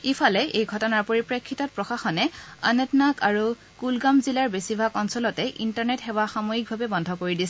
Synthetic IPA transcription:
ipʰalɛʔejɡʱɔtɔnaɹpoɹipɹekʰːitɔt̚pɹɔxaxɔnɛa̰netnakaɹu | kulɡamzilaɹbesibʱakɔnsɔlɔtɛʔintaɹnetxɛwaxamojik̚bʱabɛbɔndʱɔkoɹidisɛ

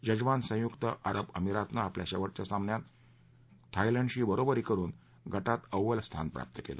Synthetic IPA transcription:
d͡ʑəd͡ʑʋansə̃jukt̪əʔaɾəpəmiɾat̪naːpljaɕɛʋəʈ̚t͡ɕasãmnjat̪ | t̪ʰailəɳɖɕiːbəɾobəɾiːkəɾuːn | ɡʱəʈat̪əʋəlst̪ʰa̰npɾa̰p̚t̪əkḛlḛ

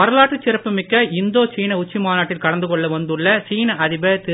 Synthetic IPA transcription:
ɐɾɐlaːʈːɯt͡ʃːɪɾɐpːɯmɪkːɐɪnd̪oːt͡ʃiːnɐʊt͡ʃːimaːnaːʈːɪlkɐɽɐnd̪ɯkɔɭːɐʋɐnd̪ɯɭːɐt͡ʃiːnɐʔɐðɪbɐt̪ɪ

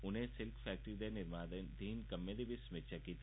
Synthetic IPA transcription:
ʊnɦẽsɪlkfʰɛːk̚ʈəɾid̪enɪɾmaːd̪ənd̪ʱiːnkɐmːed̪ibʱismɪt͡ʃʰakiːt̪

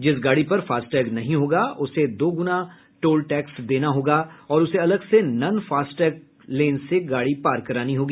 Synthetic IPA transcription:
d͡ʒɪs̬ɡaːɽipɐɾfaːsʈɛːɡnɐɦĩɦoːɡaʊsed̪oːɡʊna | ʈoːlʈɛːksd̪eːnaɦoːɡaːɔːɾʊseɐləɡsenɐnfaːsʈɛːɡ̚ | lẽːnseɡaːɽipaːɾkɐɾaːniɦoːɡiː

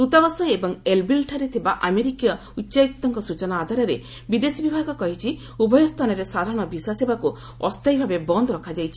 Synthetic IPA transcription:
ɾut̪ɔbɔsɔjebɔŋelbilʈʰaɾet̪ʰibaʔameɾikijɔ | utːʃaik̚t̪ɔŋkɔsut͡ʃɔnaːd̪ʱaɾɔɾe | bid̪esibibʱaɡɔkɔɦit͡ʃʰi | ubɔjɔst̪ʰanɔɾesad̪ʱaɾɔɽ̃ɔbiswasibaku | ɔst̪ajbʱabebɔnd̪ʱɔɾɔkʰad͡ʒajt͡ʃʰi

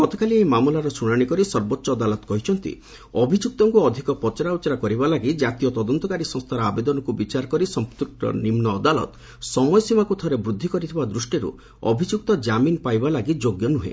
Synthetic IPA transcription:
ɡ̥ɔt̪ɔ̥kaliejmamulaɾɔsuɽ̃aɽ̃ikɔɾisɔɾbotːʃɔːd̪alɔt̪kɔɦit͡ʃʰɔnt̪ḭ | ɔbʱid͡ʒuk̚t̪ɔŋkuɔd̪ʱikɔpɔt͡ʃɔɾaut͡ʃɔɾakɔɾibalaɡid͡ʒat̪ijɔt̪ɔd̪ɔnt̪ɔkaɾisɔ̃ŋst̪ʰaɾɔabed̪ɔnɔkubit͡ʃaɾɔkɔɾisɔmpt̪ukʈɔ̰nimnɔːd̪alɔ̰t̪ | sɔmɔjɔsimakut̪ʰɔɾebɾud̪ʱːikɔɾit̪ʰibad̪ɾusʈiɾṵ | ɔ̰bʱid͡ʒuk̚t̪ɔd͡ʒaminpajbalaɡid͡ʒoɡjɔnuɦḛ

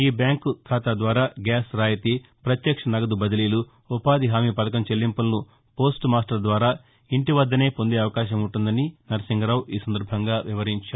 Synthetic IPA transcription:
iːbjaːŋkukʰaːt̪aːd̪ʋaːɾaːɡaːsɾaːjɐt̪ipɾɐt̪jɐkʂɐnɐɡɐd̪ubɐd̪ɐliːlu | upaːd̪iɦaːmiːpɐd̪ɐkɐmt͡ʃelːimpɐlnu | po̞ːsʈmaːsʈɐɾd̪ʋaːɾaː | iɳʈiʋɐd̪ːɐne̞ːpond̪eːɐʋɐkaːʃɐmuɳʈund̪ɐninɐɾɐsiŋɡɐɾaːwiːsɐnd̪ɐɾbʱɐŋɡaːʋiʋɐɾiɲt͡ʃaː

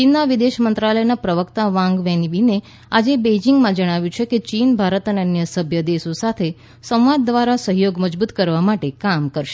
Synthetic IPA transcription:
t͡ʃinːaʋid̪eʃmənt̪ɾalənapɾəʋəkt̪aʋãŋɡʋɛnibine | ad͡ʒebed͡ʒiŋɡmãd͡ʒəɽ̃aʋjũt͡ʃʰeket͡ʃinbʱaɾət̪əneənjəsəbʱjəd̪eʃosat̪ʰe | sə̃wʋad̪ːʋaɾasəɦjoɡməd͡ʒbut̪kəɾʋamaʈekamkəɾʃe̥

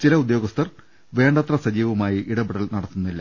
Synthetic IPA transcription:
t͡ɕilɐud̪jo̞ːɡɐst̪ʰɐr | ʋe̞ːɳɖɐt̪rɐsɐd͡ʑiːʋɐmaːjiʔiɽɐbiɽɐɭnɐɽɐt̪ːunːilːɐ

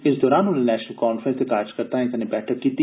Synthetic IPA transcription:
ɪsd̪ɔːɾaːnʊnnɛːʃnəlkaːnfɾə̃nst̪ekaːɾd͡ʒkəɾt̪aːɦɛ̃t̪ənẽbɛːʈʰəkːiːt̪i

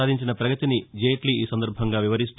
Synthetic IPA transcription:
aːd̪iɲt͡ʃinɐpɾɐɡɐt̪inid͡ʒeːʈliiːsɐnd̪ɐɾbʱɐŋɡaːʋiʋɐɾist̪

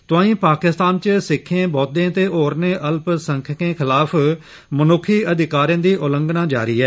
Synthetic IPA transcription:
t̪ʊãːĩːpaːkɪst̪aːnt͡ʃsɪkʰːẽːbɔːd̪ẽːt̪eːoːɾneːʔəlpsəŋkʰkẽːkʰɪlaːpʰ | mənʊkʰːiːəd̪ɪkaːɾjãːd̪iːʔʊlə̃ŋɡnaːd͡ʒa̰ːɾḭːɛː

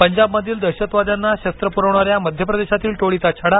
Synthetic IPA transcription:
pəɲd͡ʑabməd̪ʱiːld̪əɾɕət̪ʋad̪janːaɕəst̪ɾəpuɾəʋɳ̃aɾjaməd̪ʱjəpɾəd̪eɕat̪iːlʈoɭit̪at͡ɕʰaɽa

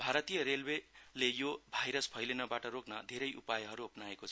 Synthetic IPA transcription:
bʱaɾʌt̪ijʌɾelwelejobʱajɾʌspʰʌjlenʌbaʈʌɾoknʌd̪ʱeɾʌjʔṵpajɦʌɾuʌpnaekot͡sʰʌ

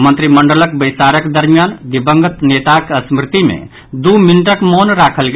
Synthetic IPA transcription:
mə̃nt̪ɾiməɳɖələk̚bəjsaɾəkd̪əɾmjand̪ibəŋɡət̪net̪akəsmɾɪt̪imḛ̃ | d̪uminʈəkmonɾakʰəlɡ

